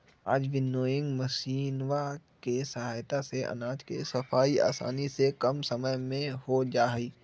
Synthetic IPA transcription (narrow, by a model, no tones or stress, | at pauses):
aːd͡ʒʋɪnoːjɪ̃ŋɡmɐʃiːnwakesɐɦaːjt̪aseʔɐ̰naːd͡ʒkḛsɐfʰaːia̰ːsa̰ːnisekɐmsɐməjmẽhod͡ʒaːiː